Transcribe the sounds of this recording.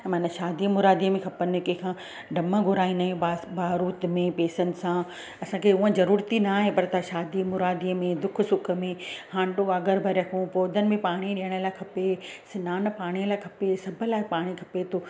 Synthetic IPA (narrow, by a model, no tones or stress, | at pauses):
mɐnəʃaːd̪imʊɾaːd̪iəmẽkʰɐpənɪkẽkʰãː | ɖʱɐməɡʱʊɾaːĩnd̪aːɦẽabaːɾuːt̪mẽpeːsənɪ̆sãː | ɐsãkʰeʊ̃ə̃zɐɾuːɾt̪inaːɦepɐɾt̪ʰaʃaːd̪imʊɾaːd̪iəmẽd̪ʊk̆ʰsʊkʰə̆mẽhãːɳɖoaːɡəɾbʱɐɾɐkʰũpoːd̪ʱənɪ̆mẽpaːɽ̃iɗijəɽ̃ə̆laːɪkʰɐpesɪnaːn̆paːɽ̃ijəlaːɪkʰɐpesɐbʱʊ̆laːɪpaːɽ̃ikʰɐ̥pet̪ʰo